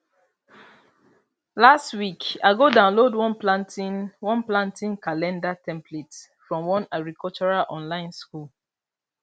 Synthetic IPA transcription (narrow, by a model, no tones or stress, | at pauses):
lastwikaɡodãʊ̃nlodwɔ̃nplãntiwɔ̃nplãntĩnkalɛ̃ndatʰɛ̃mplets | fɹɔ̃mwɔ̃naɡɹikɔlt͡ʃɔɹalʔɔ̃nlãɪ̃nskul